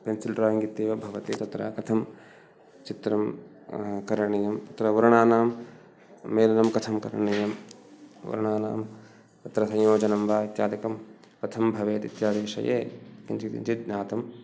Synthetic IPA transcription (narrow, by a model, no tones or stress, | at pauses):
pensilʈɾaːŋɡit̪ːeːʋɐbʱɐʋɐt̪it̪ɐt̪ɾɐ̰kɐt̪ʰɐm | t͡ʃit̪ɾɐm | kɐɾɐɳɐjɐmt̪ɐt̪ɾɐʋɐɾɐɳaːnaːmː | eːlɐnɐmkɐt̪ʰɐmkɐ̰ɾɐɳɐjɐm | ʋɐ̰ɾɐɳaːnaːm | t̪ɐt̪ɾɐsɐ̃jjoːd͡ʒɐnɐmʋaːit̪jaːd̪ɐkɐmkɐt̪ʰɐmbʱɐʋeːt̪ḭt̪jaːd̪eːʂɐ̰jḛːkint͡ʃiḭnt͡ʃit̪̚ɲaːt̪ɐm